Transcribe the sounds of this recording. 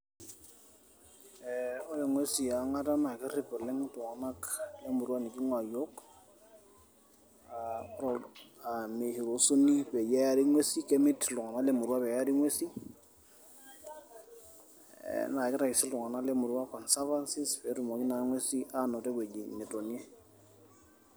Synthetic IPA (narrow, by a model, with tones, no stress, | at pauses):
ɛ˨o˦le˨ŋwe˦si˨a˨ŋa˦ta˦na˨kɪ˦ri˦pɛ˨lɛ˦ŋtʊ˨ŋa˨na˦kle˦mu˨ɾwa˦ni˨ki˦ŋwa˨jo˦k | a˦ɾɔ˨a˨me˨hi˨ɾo˨su˦ni˦pɛ˨jɛ˦ja˦ɾi˦ŋwe˦si˦ke˦mɪ˦tlʊ˨ŋa˨na˦le˨mu˨ɾwa˦pɛ˨ja˦ɾi˦ŋwe˦si˦ | na˨kɪ˦ɾa˨ki˨si˦ltʊ˨ŋa˨na˦kle˦mu˨ɾwa˦kɔ˨nsa˦va˦nsi˦spɛ˨˦tu˨mo˨ki˦na˨ŋwe˦si˦ʔa˦nɔ˨tɛ˦ke˨d͡ʒi˨ni˨to˨ni˦ɛ˦